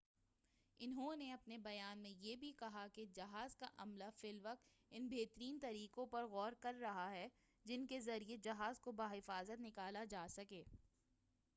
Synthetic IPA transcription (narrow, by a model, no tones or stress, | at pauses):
ɪnɦõneɐpnebɐjaːnmẽjeːbʱikɐɦaked͡ʒɐɦaːzkaʔɐmlafɪlʋɐq̚t̪ | ɪnbʱeːt̪əɾiːnt̪ɐɾiːkõpɐɾɣɔːɾkɐɾːɐɦaɦɛ | d͡ʒɪnkezɐɾied͡ʒɐɦaːzkobaːɦɪfaːzət̪nɪkaːlad͡ʒaːsɐkeː